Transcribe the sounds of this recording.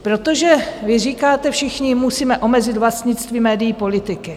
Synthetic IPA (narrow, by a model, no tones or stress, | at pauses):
pɾo̞t̪oʒɛvɪriːkaːt̪ɛfʃɪxɲɪmusiːmɛʔo̞mɛzɪt̪vlast̪ɲɪt͡st̪viːmɛːdɪjiːpo̞lɪt̪ɪkɪ